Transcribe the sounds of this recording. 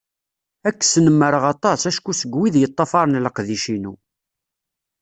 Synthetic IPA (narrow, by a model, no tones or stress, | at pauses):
ækːsnəmːəɾəʁɑt̪ˤɑsæʃkːusəɡwiðjət̪ˤːɑfɑɾˤnləqðiʃinu